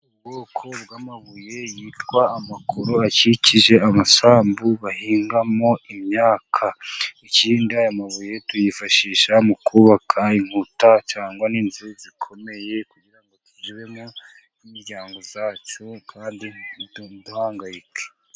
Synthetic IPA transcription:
uɡokʰo̞bɡaːmaβuje̞jiːtɡwaːmakʰoɾo̞aciciʒe̞amasaːmbuβahiːŋɡamo̞imɲaːkʰaiciːndiajamaβuje̞tujifaʃiːʃamukʰuβakʰaiŋ̥hutat͡ʃaːŋɡwaniːnzizikʰo̞me̞je̞kuɟiɾaŋɡotud͡ʒiβe̞mo | nimiɾɟaːŋɡo̞zaːt͡ʃo̞kʰaːndinduhaːŋɡajike̥

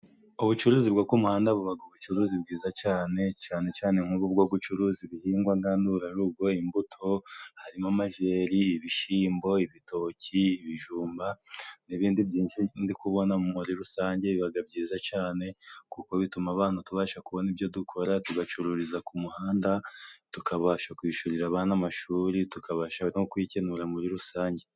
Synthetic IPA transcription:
oβut͡ʃuɾuːzibɡoːkwumuhaːndaβuβaɡaβut͡ʃuɾuːzibɡiːzat͡ʃaːne̞t͡ʃaːne̞t͡ʃaːne̞m̥huβub̚ɡo̞ːɡut͡ʃuɾuːziβihiːŋɡwaŋɡaːnduɾaɾuːb̚ɡo̞imbutʰo̞haɾimamaʒe̞ːɾiːβiʃiːmbo̞iβitʰo̞ciiβiʒuːmbaniβiːndibjiːnʃindikuβo̞namuɾiɾusaːɲɟe̞βiβaɡabɟiːzat͡ʃaːne̞kuko̞βitumaβaːn̥utuβaːʃakuβo̞niβjo̞dukʰo̞ɾatuɡat͡ʃuɾuɾizakumuhaːndatukʰaβaːʃakwiːʃuɾiɾaβaːnamaʃuːɾitukaβaːʃanokwicenuɾamuɾiɾusaːɲɟe̞

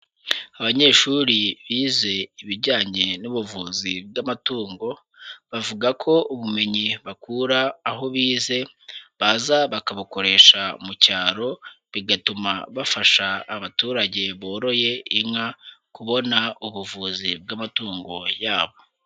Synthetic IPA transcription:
aβaɲe̞ːʃuɾiβiːze̞iβiɾɟaːɲe̞nuβuvuːzib̚ɡamatuːŋɡo̞ | βavuɡakʰo̞ʔuβume̞ɲiβakuɾaːɦo̞βiːze̞ | βazaβakaβuko̞ɾe̞ːʃa̰mucaːɾo̞ | βiɡatuma̰βafaʃaːβatuːɾaɟe̞βo̞ːɾo̞je̞iŋŋakuβo̞nauβuvuzib̚ɡamatuːŋɡo̞jaːβo

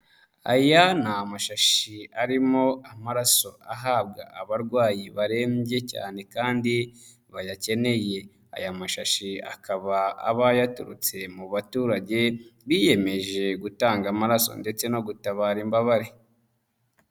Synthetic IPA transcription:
a̰janamaʃaʃiaɾimo̞amaɾaso̞aɦaːbɡa̰aβaɾɡwaːjiβaɾe̞ːmɟe̞ca̰ːne̞kaːndi | βajace̞ne̞je̞ | a̰jamaʃaʃia̰kaβaa̰βajatuɾut͡se̞muβatuːɾaɟe̞βije̞me̞ʒe̞ɡutaːŋɡamaɾaso̞̰nde̞t͡se̞no̞ɡutaβaːɾimbaβaɾe

